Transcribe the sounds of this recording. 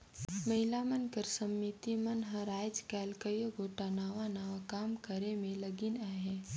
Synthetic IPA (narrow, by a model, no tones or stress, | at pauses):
mɐɦɪlaːmənkəɾsəmːit̪imɐnɦə̃ɾaːjd͡ʒkɛːlkəjoɡoːʈanaːʋanaːʋakaːmkəɾemẽlɐɡinaːɦeː